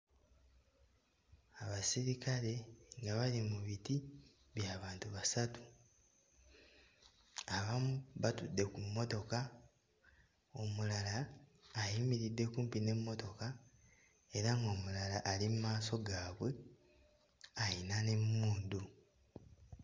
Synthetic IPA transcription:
aβasiɾikale̞ŋɡaβalimuβiti | βjaːβaːntuβasatu̥ | aβamuβatudːe̞kumːo̞to̞ka | o̞mulalaː | jimiɾidːe̞kuːmpine̞mːo̞to̞ka | e̞ɾaŋɡo̞ːmulalaʔalimumaːso̞ɡaːβwe̞ | ajinane̞mːuːndu

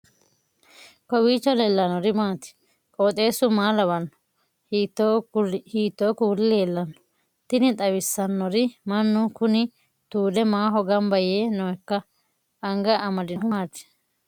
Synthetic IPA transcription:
kɔwiːt͡ʃːɔlelːɐnɔɾɪmaːt̪ɪ̥ | kʼoːt̪ʼe̞ːsʊmaːlɐbɐnːɔ̥ | tː | hiːt̪ːoːkuːlɪleːlːɐnːɔ̥ | t̪ɪnɪt̪ʼɐwɪsːɐnːɔɾɪmɐnːʊkʊnɪ | t̪uːd̪ɛmaːɦɔɡɐmbɐjeːnoɛkːɐː | ŋɡɐʔɐmɐd̪ɪmaːt̪ɪ̥

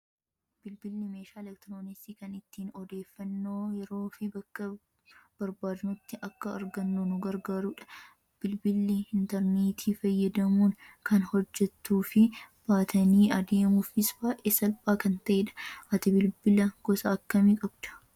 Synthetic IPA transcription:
b̥ɪlbɪlːɪmeːʃaːlɛk̚t̪ɾoːnɪsiːkɐnɪt̪ːiːnɔd̪e̞ːfːɐnːo̞ːjɛɾo̞ːfɪbɐkːɐ | b̥ɐɾbaːd̪ɪnɐt̪ːɪʔɐkːɐːɾɡɐnːunʊɡɐɾɡaːɾuᶑɐ̥ | b̥ɪlbɪlːɪɪnt̪ɛɾneːt̪ʰiːfɐjːɐd̪ɐmuːnkɐnhɔd͡ʒːɛt̪ːuːfɪb̥aːt̪ʰɐniːɐd̪e̞ːmʊfɪsbaːʔeːsɐlpʼaːkɐnt̪ɐʔeːᶑɐ̥ʔɐt̪ɪbɪlbɪlɐɡ̥ɔsɐːkːɐmɪkʼɐbd̪̥ɐ̥

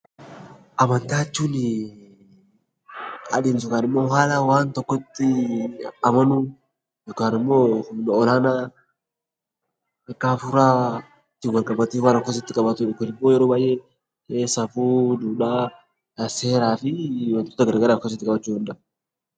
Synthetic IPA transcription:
ʔɐmɐnt̪aːt͡ʃːuːnɪ | ɐ̰d̪iːns̬ʊkaːnɪmːo̞ːɦaːlɐwaːnt̪ɔkːɔt̪ːɪ | ɐmɐnu | jɔkaːnɪmːoːnɔlaːna | ɐkːaːfʊɾaː | t̪ːɪwɐlkʼɐbɐt̪eːfwaːnɐkːɔs̬ɪt̪ːɪkʼɐbɐt̪ʊʊkʊnɪmːoːjɛɾoːbaːjʔeː | esɐfuːd̪uːᶑaː | seːɾaːfɪwɐnt̪ʊt̪ːɐɡɐɾɡɐɾaːkːɔs̬ɪt̪ːɪkʼɐbɐt͡ʃːuːhɐnd̪ɐʔ

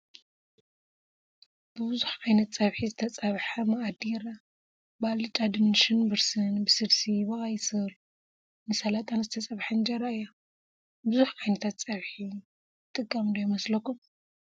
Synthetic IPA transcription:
b̥ɨbɨzuħʔajnɐt̪t͡sʼɐβħizɨt̪ʰɐt͡sʼɐβħamɐʔad̪iɾa | balɨt͡ʃʼad̪ɨnʃɨnbɨɾsɨnbɨsɨlsiβɐχʼajsɨl | nɨsɐlat̪ʰʼanzɨt̪ʰɐt͡sʼɐβħɐnd͡ʒɐɾaɨjːa | bɨzuħʔajnɐt̪ʰat̪t͡sʼɐβħi | t̪ʼɨkʼːamd̪ojmɐslɐkːum

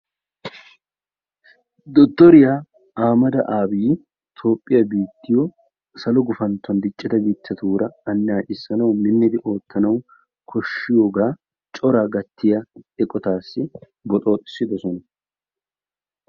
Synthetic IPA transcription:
d̪ɔt̪ːɔɾɪjaː | aːmɐd̪ɐʔaːbiː | t̪ʰo̞ːpʼːɪjabiːt̪ːɪjɔ | sɐlɔɡʊfɐnt̪ːɔnd̪ɪt͡ʃʼːɪd̪ɐɡit̪ːɐt̪uːɾɐɐnːɪjaːʔɪsːɐnɐwmɪnːɪd̪ɪʔo̞ːt̪ʰːɐnɐw | kʰɔʃːɪjo̞ːɡaː | t͡ʃʼɔɾaːɡɐt̪ːɪjɐɛkʼɔt̪aːsːɪ | bɔt̪ʼo̞ːt̪ʼɪ̥sːɪd̪ɔsɔnɐ

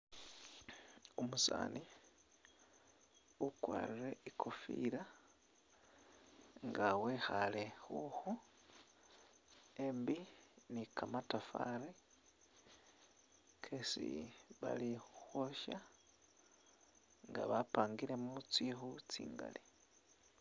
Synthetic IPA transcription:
umusa̰ːni | ukwaːɾire̞ikʰofiɾa | ŋɡawexale̞xuxu | embinikʰamatafaɾi | kʰesḭβa̰lixuxwo̞ʃa | ŋɡaβapaːŋɡiɾe̞muut͡sixut͡sḭːŋɡa̰li

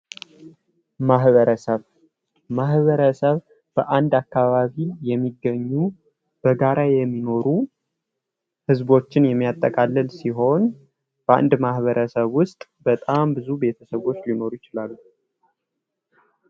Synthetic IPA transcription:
maɦβəɾəsəβ | mahβəɾəsəβ | b̥əʔand̪akːaβaβijɛmːiɡəɲːu | b̥əɡaɾajɛmːino̞ɾu | hɨzbo̞t͡ʃːɪnjɛmːijat̪ʼːəkʼalːɨlsiɦo̞n | bəa̰nd̪mahβəɾʔəsəβwʊst̪ʼbət̪ʼambɨzube̞t̪ʰəsəβo̞t͡ʃːlino̞ɾujɪt͡ʃɪlalːu

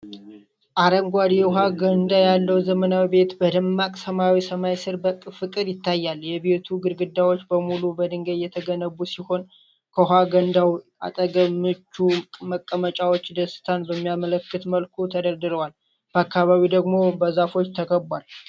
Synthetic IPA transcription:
ʔaɾəmɡʷad̪ijɦaɡənnd̪ajalːəwzəmənawibe̞t̪bəd̪ɨmːakʼsəmawisəmajsɨɾbəkʼːɨfɨkʼɨɾjɪt̪ːajːaljɛβe̞t̪ʰuɡɨɾɡɨd̪ːawo̞t͡ʃːbəmulubəd̪ɨŋɡəjɛt̪ʰəɡənəβusiho̞n | kʰəɦaɡənd̪aw | a̰t̪ʼəɡəmːɨt͡ʃːuməkʼːəmət͡ʃʼawo̞t͡ʃːd̪əsɨ̥t̪ʰanbəmːijamələkːɨt̪məlkʰut̪ʰəd̪əɾd̪ɨɾəwal | b̥əakːaβaβid̪əɡmo̞bəzafo̞t͡ʃːt̪ʰəkʰəbwal

